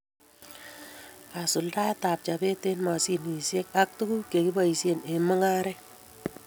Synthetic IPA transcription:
a˨sʊ˨lda˦ta˨p̚t͡ʃa˨be˦te˦nma˨si˦ni˨sje˦ka˦k̚tu˦ku˦ke˨ki˦ba˦˨i˨se˨ne˨mə˦ŋa˦ɾɛ˦

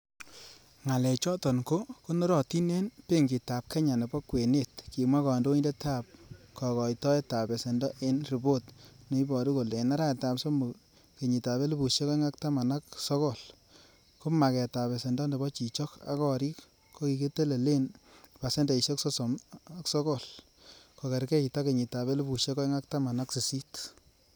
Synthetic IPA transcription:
ŋa˨lɛ˨t͡ʃɔ˦tɔ˨nko˦ko˦nɔ˦ɾɔ˨ti˦ne˦npe˦ŋɡi˨ta˨p̚ke˦ɲa˨ne˨bɔ˦kwe˨ne˦t̚ki˨mwa˦kɔ˨ndo˦i˦nde˦ta˦˨p̚kɔ˨kɔ˨jtɔ˦e˦ta˨be˨se˨ndɔ˦ʔe˦nɾi˨bo˦tne˨i˦bɔ˨ɾu˦ko˨le˨na˦ɾa˦˨ta˨pso˦mo˨ | ke˨ɲi˨ta˨βe˦lu˦bu˨ʃe˦ke˦ŋa˦k̚ta˦ma˨na˦ksɔ˦kɔ˦˨l | ku˦ma˨kɛ˨ta˨βe˨se˨ndɔ˦nde˨bɔ˦t͡ʃi˨t͡ʃɔ˦ka̰˦kɔ˦ɾi˦kː | kːo˦ki˨ke˦te˦le˨le˦npa˨se˦nde˨i˨ʃe˦ksɔ˦sɔ˨m˦ksɔ˦kɔ˦˨l | ko˨ke˨ɾkɛ˦i˨ta˦ke˨ɲi˨ta˨βe˦lu˦bu˨ʃe˦kɔ˦ŋa˦k̚ta˦ma˨na˦ksi˨si˦t

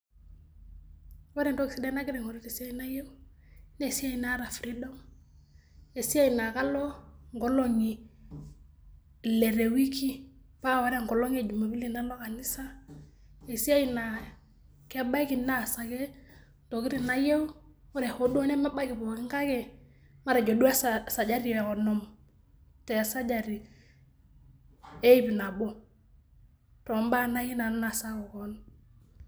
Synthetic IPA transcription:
wa˦ɾe˨ndo˦ki˨si˨˦de˦na˦ɡi˦ɾe˨ŋo˨ɾi˦ti˨si˦a˦ji˦na˦je˦u˦ | ne˨si˦a˦ji˨na˦ɾa˨fɾi˦do˦ŋ | e˨si˦a˦i˨na˨ka˦lo˦ŋɡo˦lo˦˨ŋi˨ | le˨ɾe˨wi˦ki˦ | pa˦˨wa˦ɾe˦ŋɡo˨lo˦ŋe˨d͡ʒu˨ma˨bi˦li˦na˦lo˦ka˨ni˦sa˦ | e˨si˦a˦ji˨na˨ | ke˦ba˦i˦ki˨na˦˨sa˨ke˦ | to˨ki˦ɾi˨na˦je˦o˦ɾe˨ho˦do˦ne˦ma˦ba˦ki˨bo˨ki˦ŋka˦kɛ˨ | ma˦ɾa˨d͡ʒo˨du˦a˦ssa˨d͡ʒa˦ɾi˨ɛ˨kɔ˨nɔ˨m | tɛ˨a˨sa˦d͡ʒa˨ɾi˨ | e˦i˦bi˨na˨bo˦ | tɔ˨mba˦˨na˦ji˦na˨n˦na˨sa˦kɔ˨kɔ˦n

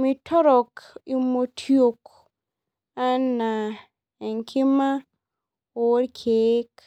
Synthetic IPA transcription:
mi˨tʰɔ˦ɾɔ˨ki˨mo˨tʰjo˨k | a˦na˨ | ɛ˨ŋkʰɪ˦ma˦ | o˨o˦ɾkʰe˨˦k

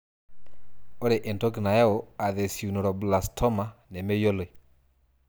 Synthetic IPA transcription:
ɔ˦ɾɛ˨ʔe˨ntɔ˦kna˨ja˦o˨a˨ðe˨su˨nɔ˨ɾɔ˨bla˨stʰɔ˦ma˨nɛ˨me˦jo˦le˨

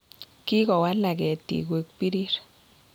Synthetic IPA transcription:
ki˦kɔ˨wa˦lːa˨kɛ˨tːḭ˨kwe˨k̚pi˦ɾi˦ɾ

